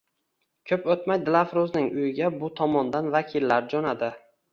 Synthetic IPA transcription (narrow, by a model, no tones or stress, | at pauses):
kʲʰɵpot̪majd̪ɪlˠafɾoznɪŋʊjɪɡʲabʊt̪ʰɒmɒnd̪anvakʲʰɪlːaɾd͡ʒɒnad̪ɪ